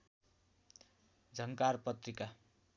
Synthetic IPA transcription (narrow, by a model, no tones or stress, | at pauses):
d͡zʱʌŋkarpʌt̪rika